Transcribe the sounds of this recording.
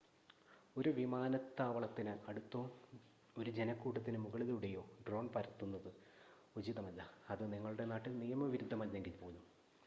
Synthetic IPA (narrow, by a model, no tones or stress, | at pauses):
o̞ɾuʋimaːnɐt̪ːaːʋɐɭɐt̪ːinɨɐɽut̪ːɐ | o̞ɾud͡ʑe̞nɐkːuːʈːɐt̪ːinɨmuɣɐɭiluɽe̞jo̞ːɖro̞ːɳpɐɾɐt̪ːunːɐðɨ | ud͡ʑiðɐmɐlːaɐðɨniŋːɐɭuɽe̞naːʈːɨnijɐmɐʋiɾud̪ʱːɐmɐlːeŋɡilpoːuɲːu